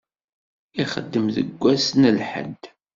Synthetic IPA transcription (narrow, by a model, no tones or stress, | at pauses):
iχəd̪ːəmðə̰ɡʷːæsnəlħə̰nt̪